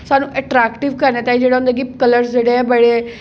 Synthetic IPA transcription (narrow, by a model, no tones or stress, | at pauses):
saːnũːʔəʈɾɛːkʈɪʋkəɾneːt̪ãːiːd͡ʒeːɽaɦʊ̃nd̪eːɡipkələɾsd͡ʒeːɽeːɛ̃ːbəɽeː